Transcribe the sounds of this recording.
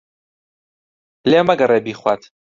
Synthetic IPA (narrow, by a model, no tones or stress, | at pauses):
leːmɐɡɐreːbiːχwat̪